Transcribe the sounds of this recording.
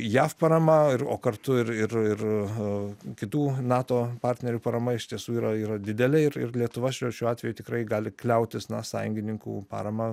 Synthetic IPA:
jæːfpɐɾɐmɐɪro̰ːkɐrt̪ʊɪrɪrɪr | kʲɪt̪uːnɑːt̪oːpɑɾʲt̪ʲnʲɛɾʲuːpɐɾɐmɐɪʃt̪ʲiɛsuːiːɾɐiːɾɐd̪ʲɪd̪ʲɛlʲɛɪɾɪ̰rlʲiɛt̪ʊʋɐʃʲoːʃʲuːɑːt̪ʲʋʲɛjuːt̪ʲɪkɾɐɪɡɑːlʲɪklʲɛʊt̪ʲɪsnɐsɑ̰ːjʊŋʲɡʲɪnʲɪŋkṵːpɑ̰ːɾɐmɐ

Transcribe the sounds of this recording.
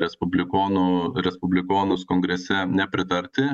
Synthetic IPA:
ɾʲɛspʊbʲlʲɪkoːnʊɾʲɛspʊbʲlʲɪkoːnʊskoːŋɡɾʲɛsʲɛnʲɛpʲɾʲɪt̪ɐɾʲt̪ʲɪ

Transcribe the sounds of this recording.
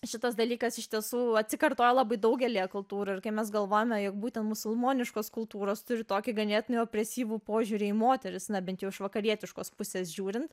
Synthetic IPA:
ʃʲɪt̪ɐsd̪ɐlʲiːkɐsɪʃʲt̪ʲiɛsuːɐt̪ʲsʲɪkɐrt̪oːjɛlˠɑbɐɪd̪ɐʊɡʲɛlʲijɛkʊlˠt̪uːɾɐɪɾkɐɪpmʲɛs̬ɡɐlˠʋoːjomʲɛjoːk̚buːt̪ʲɛnt̪mʊsʊlˠmoːnʲɪʃkoːskʊlˠt̪uːɾoːst̪ʊɾʲɪt̪oːkʲɪɡɐnʲeːt̪ʲɪnɐɪoːpʲɾʲɛsʲiːʋuːpoːʒʲuːɾʲɪimoːt̪ʲɛɾʲɪsnɐbʲɛnt̪jɛʊɪʃʋɐkɐɾʲiɛt̪ʲɪʃkoːspʊsʲeːsʒʲuːɾʲɪnt̪

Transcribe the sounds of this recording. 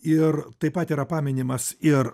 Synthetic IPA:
ɪɾt̪ɐɪpɐt̪iːɾɐpɑːmʲɪnʲɪmɐsɪɾ

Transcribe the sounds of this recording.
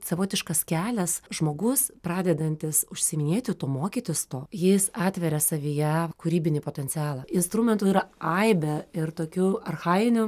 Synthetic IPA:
sɐʋoːt̪ʲɪʃkɐskʲæːlʲɛsʒmoːɡʊspɾɑːd̪ʲɛd̪ɐnʲt̪ʲɪsʊʃʲsʲɪmʲɪnʲeːt̪ʲɪt̪oːmoːkʲiːt̪ʲɪst̪oːjɪsɑːt̪ʲʋʲɛɾʲɛsɐʋʲijɛkʊɾʲiːbʲɪnʲipoːt̪ʲɛnʲt͡ssʲɪɑːlˠɐɪnst̪ɾuːmʲɛnt̪uːiːɾɐɐɪbʲɛɪrt̪oːkʲuɐrxɑɪɪnʲʊ

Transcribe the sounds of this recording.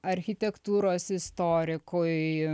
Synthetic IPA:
ɐɾʲxʲɪt̪ʲɛkt̪uːɾoːsɪst̪oːɾʲɪkoɪ

